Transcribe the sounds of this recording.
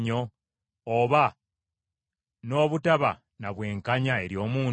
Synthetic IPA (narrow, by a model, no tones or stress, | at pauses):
ɲo̞ː | βa | no̞ːβutaβa̰ | naβwe̞ːŋkaɲae̞ɾjo̞ːmuː